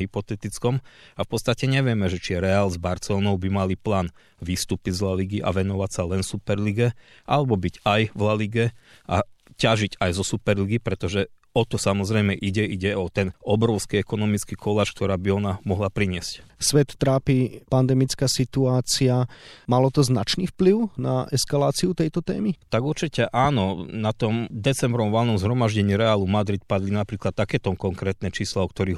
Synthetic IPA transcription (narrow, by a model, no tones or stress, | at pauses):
ɦipɔt̪ɛt̪it͡skɔmafpɔt̪t͡sst̪acɛɲɛʋɪɛmɛʒɛt͡ʃiɛɾɛaːlzbaɾt͡sɛlɔnɔʊbimaliplaːn | ʋist̪upizlaliɡiʔa̰ʋɛnɔʋacsalɛnfsupɛɾliɡɛ | ʔa̰lɛbɔbiɟajvlaliɡɛ | ʔacaʒiɟajzɔsupɛɾliɡipɾɛt̪ɔʒɛ | ɔt̪ɔsamɔzɾɛjmɛʔiɟɛʔiɟɛɔt̪ɛnɔbɾɔʊskiɛkɔnɔmit͡skikʰɔlaːt͡ʃk̚t̪ɔɾaːbiɔnamɔɦlapɾiɲɪɛscsʋɛt̪ːɾaːpiːpand̪ɛmit͡skasit̪uaːt͡siamalɔt̪ɔznat͡ʃniːfpliʊna̰ɛskalaːt͡siut̪ɛjt̪ɔt̪ɛ̰ːmit̪aɡuɾt͡ʃicɛʔaːnɔnat̪ɔmd̪ɛt͡sɛmbɾɔmʋɔlnɔmzɦɾɔmaʒɟɛɲiɾɛaːlumad̪ɾit̪pad̪linapɾiːklat̪̚ːakɛːt̪ɔmkɔŋkɾɛːt̪nɛt͡ʃiːslaɔkt̪ɔɾiː